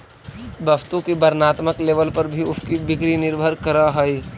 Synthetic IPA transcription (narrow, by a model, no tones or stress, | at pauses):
bɐbt̪õkibɐɾnaːt̪məkleːʋəlpɐɾbʱiʊskibɪkɾinɪɾbʱəɾkəɾaɦɐi